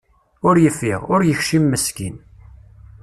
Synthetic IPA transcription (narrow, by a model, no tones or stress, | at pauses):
ʊɾjəfːiʁʊɾjəçʃimːəskin